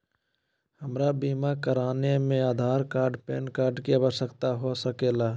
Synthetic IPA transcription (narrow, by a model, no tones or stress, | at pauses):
həmɾabiːmakəɾaːnemẽaːd̪ʱaːɾkaːɾɖpɛːnkaːɾɖkiaːʋəɾʃəkt̪aɦosəkeːlaː